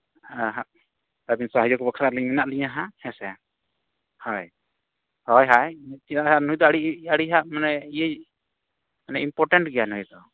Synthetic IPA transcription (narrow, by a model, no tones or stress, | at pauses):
aɦaʔ | t̪abinsaɦad͡ʒɔkɛbəkʰɾaɾliɲmɛnaʔliɲaɦahɛ̃sɛ | hɔj | hɔjɦajt̪it̪aʔanɦujd̪ɔaɽiaɽiɦaʔmanɛijə | manɛimpɔɾʈɛɳʈɡɛjanɦujd̪ɔ